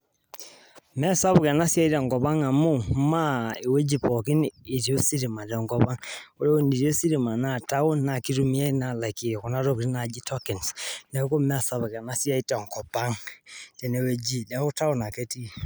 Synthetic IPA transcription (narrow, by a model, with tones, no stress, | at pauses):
mɛ˦˨sa˦bu˨kɛ˨na˦si˦a˦i˦tɛ˨ŋkɔ˨pa˦ŋa˨mu˦ma˦i˨we˦d͡ʒi˨pɔ˨ki˦ni˨ti˦o˦si˦ɾi˨ma˨tɛ˨ŋkɔ˦pa˦ŋu˦ɾɛ˦o˦ni˨ɾi˦o˦si˦ɾi˨ma˨na˦˨ta˦u˦na˨ki˦ɾu˦mi˦e˦na˨la˨ki˨ku˨na˦ɾo˦kɾi˦na˨d͡ʒi˦tʰɔ˦ki˨nsnɛ˨˦ku˦mɛ˦˨sa˦bu˨ka˨na˦si˦a˦i˦tŋkɔ˨pa˦ŋtɛ˨ne˨we˦d͡ʒi˦dɛ˨˦ku˦ta˦wna˨ke˦ti˦˨